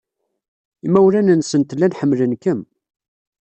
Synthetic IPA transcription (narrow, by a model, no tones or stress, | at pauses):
imæwɾænənsənt̪lːænħəmːlənkəm